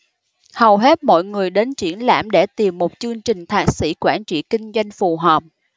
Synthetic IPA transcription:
hə˨˩wɦe˦˥t̚mɔ̰˧˨jŋɨ˨˩əjɗe˨˦nt͡ɕwḭ˧˩ənla̰ː˧˩mɗe˧˩t̪i˨˩mːo˨˩t̚t͡ɕɨ˧əŋt͡ɕï˨˩ŋ̟t̪ʰaː˨˩k̚sḭ˧˥kwaː˧˩nt͡ɕḭ˧˨kï˧ŋ̟zwa˧jŋ̟fu˨˩ɦəː˨˩p̚

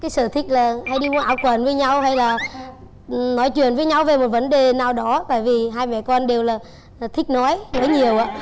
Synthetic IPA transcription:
kaː˨˦jsɨ̰˧˩t̪ʰï˦˥k̚laː˨˩ha˧jɗi˧mu˧ʔaː˧˩wkwə˨˩nvəː˨˦jɲa˧wɦa˧jlaː˨˩ | nɔ˨˦jt͡ɕwḭ˨˩˨ənvəː˨˦jɲa˧wve˨˩mo˨˩t̚və˨˦nɗe˨˩naː˨˩wɗɔ˨˦t̪a̰ː˧˨jvi˨˩ɦaː˧jmɛ̰˧˨kɔ˧nɗe˨˩wlaː˨˩˨ | t̪ʰï˦˥k̟̚nɔ˨˦jnɔ˨˦jɲi˨˩əwʔaː˧˦

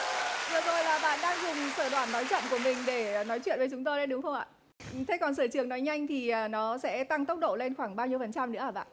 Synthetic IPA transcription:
vɨ˨˩əzo˨˩jlaː˨˩ɓa̰ː˧˨nɗaː˧ŋzʊ˨˩ŋ͡msəː˧˩ɗwaː˧˩nːɔ˨˦jt͡ɕɔ̰˧˨ŋ͡mku˧˩əmï˨˩ŋ̟ɗe˧˩nɔ˨˦jt͡ɕwḭ˧˨ənvə˨˦t͡ɕʊ˨˦ŋ͡mt̪o˧jɗə˨˦ɗʊ˨˦ŋ͡mxə˧ŋ͡mʔa̰ː˧˨˩ | t̪ʰe˨˦˥kɔ˨˩nsəː˧˩t͡ɕɨ˧˩əŋnɔ˨˦jɲa˧jŋ̟t̪ʰi˨˩ʔəː˨˩nɔ˨˦sɛ̰˧˥t̪a˧ŋt̪ə˦˥wk͡p̚ɗo̰˧˨le˧nxwaː˧˩ŋɓaː˧wɲi˧əfə˨˩nt͡ɕa˧mnɨ̰˧˥əəː˧˨˩ɓa̰ː˧˨

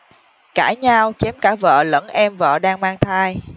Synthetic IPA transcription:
kaː˧˩ɲaː˧wt͡ɕɛ˨˦mkaː˧˩və̰ː˧˨lə̰˧˥nʔɛ˧mvə̰ː˧˨ɗaː˧ŋmaː˧ŋt̪ʰaː˧j

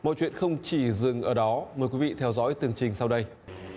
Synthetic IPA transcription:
mɔ̰˧˨jt͡ɕwḭ˧˨ənxə˧wŋ͡mt͡ɕi˧˩zɨ˨˩ŋʔəː˧˩ɗɔ˨˦məː˨˩jkwi˨˦vḭ˧˨t̪ʰɛ˧wzɔ̰ː˧˥jt̪ɨ˨˩əŋt͡ɕï˨˩ŋ̟sa˧wɗə˧j

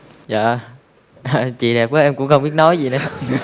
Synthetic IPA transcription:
za̰ː˧˨ | ʔt͡ɕḭ˧˨ɗɛ˨˩p̚kəː˨˦ʔɛ˧mkʊ˧˥ŋ͡mxə˧wŋ͡mɓi˦˥ət̚nɔ˨˦jzi˨˩nə˨˦

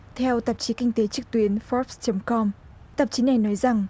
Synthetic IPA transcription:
t̪ʰɛ˧wt̪ə˨˩p̚t͡ɕi˨˦kï˧ŋ̟t̪e˨˦t͡ɕɨ˨˩k̚t̪wi˨˦ənfɔ˦˥p̚st͡ɕə˨˦ŋ͡mkɔ˧m | t̪ə˨˩p̚t͡ɕi˨˦na˨˩jnɔ˨˦jza˨˩ŋ

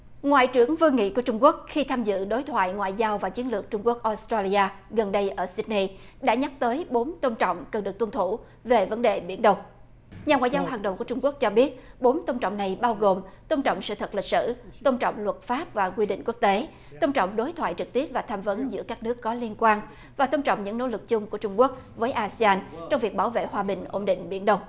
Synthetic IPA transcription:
ŋwa̰ː˧˨jt͡ɕɨ˧˩əŋvɨ˧ŋḭ˧˨ku˧˩ət͡ɕʊ˧ŋ͡mku˦˥ək̚xi˧t̪ʰaː˧mzɨ̰˧˨ɗo˨˦jt̪ʰwa̰ː˧˨jŋwa̰ː˧˨jzaː˧wvaː˨˩t͡ɕi˨˦ənlɨ˨˩ək̚t͡ɕʊ˧ŋ͡mku˦˥ək̚ʔo˦˥st̪ɾaː˧li˧aː˧ | ɣə˨˩nɗə˧jʔəː˧˩si˦˥t̚ni˧ | ɗa̰ː˧˥ɲa˦˥k̚t̪əː˨˦jɓo˨˦nt̪ə˧wŋ͡mt͡ɕɔ̰˧˨wŋ͡mkə˨˩nɗɨ˨˩ək̚t̪wə˧nt̪ʰu˧˩ | ve˨˩və˨˦nɗe˨˩ɓḭ˧˩ənɗə˨˩wŋ͡m | ɲa˨˩ŋwaː˧˨zaː˧wɦaː˨˩ŋɗə̰˨˩wku˧˩ət͡ɕʊ˧ŋ͡mku˦˥k̚t͡ɕɔ˧ɓi˦˥ət̚ɓo˨˦nt̪ə˧wŋ͡mt͡ɕɔ̰˧˨wŋ͡mna˨˩jɓaː˧wɣo˨˩mt̪ə˧wŋ͡mt͡ɕɔ̰˧˨wŋ͡msɨ̰˧˨t̪ʰə˨˩t̚li˨˩k̚sɨ̰˧˨t̪ə˧wŋ͡mt͡ɕɔ̰˧˨wŋ͡mlwə˨˩t̚faː˦˥p̚vaː˨˩kwi˧ɗḭ̈˧˨ŋ̟ku˦˥ək̚t̪e˨˦ | t̪ə˧wŋ͡mt͡ɕɔ̰˧˨wŋ͡mɗo˨˦jt̪ʰwa̰ː˧˨jt͡ɕɨ˨˩k̚t̪i˦˥əp̚vaː˨˩t̪ʰaː˧mvə˨˦nzɨ̰˧˥əkaː˦˥k̚nɨ˦˥əkːɔ˨˦li˧ənkwaː˧n | vaː˨˩t̪ə˧wŋ͡mt͡ɕɔ̰˧˨wŋ͡mɲɨ̰˧˥ŋno̰˧˥lɨ˨˩k̚t͡ɕʊ˧ŋ͡mku˧˩ət͡ɕʊ˧ŋ͡mku˦˥ək̚vəː˨˦jʔaː˧si˧aː˧nt͡ɕɔ˧wŋ͡mvi˨˩ək̚ɓaː˧˩wvḛ˧˨hwaː˧ɓï˨˩ŋ̟ʔo˧nɗḭ̈˧˨ŋ̟ɓḭ˧˩ənɗə˧wŋ͡m

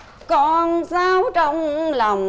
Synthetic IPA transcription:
kɔ˧nsaː˧wt͡ɕɔ˧wŋ͡mla˨˩wŋ͡m

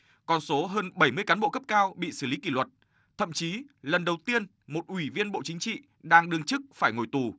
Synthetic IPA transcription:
kɔ˨˩nso˨˦ɦəː˧nɓə˧˩jmɨ˧əjkaː˨˦nɓo̰˧˨kə˦˥p̚kaː˧wɓḭ˧˨sɨ˧˩li˨˦kḭ˧˩lwə˨˩t̚ | t̪ʰə̰˧˨mt͡ɕi˨˦lə˨˩nɗə˨˩wt̪i˧ən | mo˨˩t̚ʔwi˧˩vi˧ənɓo̰˧˨t͡ɕï˨˦ŋ̟t͡ɕḭ˧˨ | ɗaː˧ŋɗɨ˨˧əŋt͡ɕɨ˦˥k̚faː˧˩jŋo˧˩jt̪u˨˩

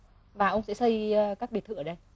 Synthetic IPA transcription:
vaː˨˩ʔə˧wŋ͡msɛ̰˧˥sə˧jkaː˦˥k̚ɓi˨˩t̪̚ʰːɨ̰˧˩əː˨˧˩ɗə˧j

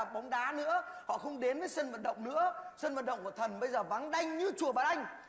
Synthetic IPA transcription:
ɓɔ˨˦wŋ͡mɗaː˨˦nɨ̰˧˥əhɔ̰˧˨xə˧wŋ͡mɗe˨˦nvəː˨˦jsə˧nvaː˨˩t̚ɗə̰˧˨wŋ͡mnɨ̰˧˥əsə˧nvaː˨˩t̚ɗə̰˧˨wŋ͡mku˧˩ət̪ʰə˨˩nɓə˧jzəː˨˩va˨˦ŋɗa˧jŋ̟ɲɨ˧t͡ɕu˨˩əvaː˨˩ʔa˧jŋ̟

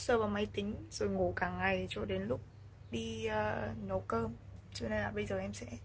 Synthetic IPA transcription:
səː˧˩vaː˨˩ma˨˧˦jt̪ï˨˦ŋ̟z̥o˨˩jŋo˧˩kaː˧˩ŋŋːa˨˩jt͡ɕɔ˧ɗe˨˦nlʊ˦˥k͡p̚ | ɗi˧əː˧˩no˨˦kəː˧mt͡ɕɨ˧ne˧nlaː˨˩ɓə˧jzəː˨˩ʔɛ˧msɛ̰˧˥

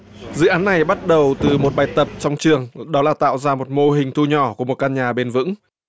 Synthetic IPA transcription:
zɨ̰˧˥ʔaː˨˦nːa˨˩jɓa˦˥t̚ɗə˨˩wt̪ɨ˨˩mo˨˩t̚ɓaː˨˩jt̪ə˨˩p̚t͡ɕɔ˧wŋ͡mt͡ɕɨ˨˩əŋɗɔ˨˦laː˨˩t̪a̰ː˧˨wzaː˧mo˨˩t̚mo˧ɦï˨˩ŋ̟t̪ʰu˧ɲɔ˧˩ku˧˩əmo˨˩kaː˧nɲaː˨˩ɓe˧nvɨ̰˧˥ŋ

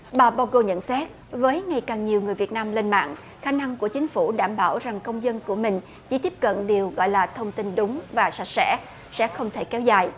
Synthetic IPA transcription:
ɓaː˨˩ɓaː˧wɣo˧˩ɲə̰˧˨nsɛ˦˥t̚ | vəː˨˦jŋa˨˩jkaː˨˩ŋɲi˨˩əwŋɨ˨˩əjvi˨˩ət̚naː˧mle˧nma̰ː˧˨ŋ | xaː˨˦na˧ŋku˧˩ət͡ɕï˨˦ŋ̟fu˧˩ɗaː˧˩mɓaː˧˩wza˨˩ŋkə˧wŋ͡mzə˧nku˧˩əmï˨˩ŋ̟ | t͡ɕi˧˩t̪i˦˥əp̚kə̰˧˨nɗi˨˩əwɣɔ̰˧˨jlaː˨˩t̪ʰə˧wŋ͡mt̪ï˧nɗʊ˨˦ŋ͡mvaː˨˩sa˨˩t̚sɛ̰˧˥ | sɛ̰˧˥xə˧wŋ͡mt̪ʰe˧˩kɛ˨˦wzaː˨˩j

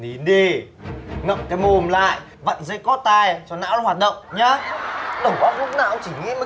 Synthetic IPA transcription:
ni˨˦nɗe˧˩ | ŋə̰˧˨mkaː˨˦mo˧mla̰ː˧˨j | və̰˧˨nzə̰˧˥jkɔ˦˥t̪aː˧jt͡ɕɔ˧˩na̰ː˧˥waː˨˩hwaː˨˩t̚ɗə̰˧˨wŋ͡mɲaː˨˦ɗə˨˧˩wŋ͡mɓaː˨˦˥k̚lu˦˥k̚naː˨˩˨ʔə˧wŋ͡mt͡ɕi˧˩ŋḭ˧˥ma˨˩

